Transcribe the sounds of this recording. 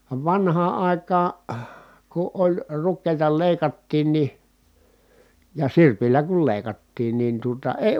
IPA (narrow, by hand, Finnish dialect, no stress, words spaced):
ʋɑ ʋɑnhɑː ɑˑi̯kɑː ku ʔolʲ rukːeˑi̯tɑ leˑi̯kɑtːiːn ni jɑ sirpilːæ kul leˑi̯kɑtːiːn nin tuotɑ eˑi̯